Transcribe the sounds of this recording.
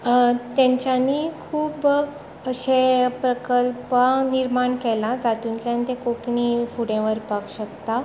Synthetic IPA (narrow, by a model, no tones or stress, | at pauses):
t̪jãɲt͡ɕjanikʰuːb | əɕẽpɾəkəlpəniɾmaɳkɛlad͡zat̪unt͡sjãnt̪ekoʈɳiːfuɽẽʋəɾpakɕəkt̪a